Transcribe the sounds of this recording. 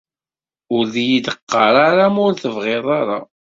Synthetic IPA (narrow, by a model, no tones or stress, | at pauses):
ʊɾðjid̪əqːɑɾˤaɾamʊɾθəvʁeðˤɑɾa